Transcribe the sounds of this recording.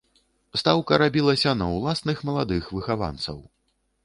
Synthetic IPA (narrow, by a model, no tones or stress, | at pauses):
st̪awkɐɾabʲilˠɐsʲɐnɐwlˠasnɨxmɐlˠad̪ɨxvɨxava̰nt̪sɐ̰w